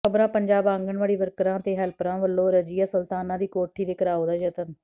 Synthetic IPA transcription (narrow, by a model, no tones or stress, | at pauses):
əbɾãːpəɲd͡ʒaːbãːŋɡəɳʋaːɽiːʋəɾkɾãːt̪eːɦɛlpɾãːʋəlːõːɾəd͡ʒiːaːsəlt̪aːnãːd̪iːkoːʈʰːiːd̪eːkəɾaːoːd̪aːd͡ʒət̪ən